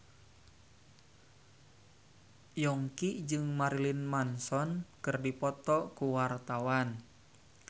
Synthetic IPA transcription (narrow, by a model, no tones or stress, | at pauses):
jɔŋkid͡ʒɨŋmaɾilinmansɔnkɨrdipɔt̪ɔkuwart̪awan